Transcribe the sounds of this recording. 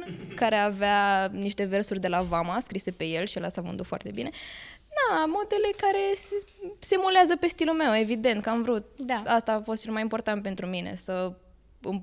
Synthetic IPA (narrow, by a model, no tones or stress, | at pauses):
kaɾe̞aveaniʃt̪e̞ve̞rsurʲd̪e̞lavamaskɾise̞pe̞je̞lʃielasavɨ̰nd̪ut̪foa̰rt̪e̞bined̪amod̪e̞le̞kaɾe̞s | semuleazəpe̞st̪ilulmewe̞vid̪e̞nt̪̚kəamvɾut̪̚ast̪aːfo̞st̪t͡ʃe̞lmajimpo̞rt̪ant̪̚pe̞nt̪ɾumine̞̰sə | ɨm